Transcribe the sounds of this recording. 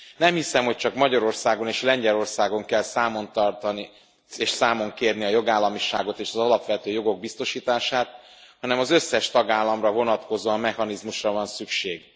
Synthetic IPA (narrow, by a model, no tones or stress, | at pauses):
nɛmhisɛmhoc̚t͡ʃɒkmɒɟɒɾo̞rsaːɡo̞neːʃlɛɲɟɛlo̞rsaːɡo̞ŋkɛlsaːmo̞nt̪ɒrt̪ɒni | eːʃsaːmo̞ŋkeːrniɒjo̞ɡaːlːɒmiʃa̰ːɡo̞t̪eːʃɒzɒlɒpʋɛt̪øːjo̞ɡo̞ɡ̚bist̪o̞ʃiːt̪aːʃaːt̪̚ | hɒnɛmɒzøsːɛʃt̪ɒɡaːlːɒmrɒvo̞nɒt̪ko̞zoɒmːɛhɒnizmuʃrɒvɒnsykʃeːɡ